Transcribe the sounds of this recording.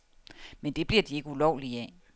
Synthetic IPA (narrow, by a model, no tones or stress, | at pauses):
mend̥e̝b̥liɐ̰d̥ie̝ɡ̥əulɒʊ̰liɛ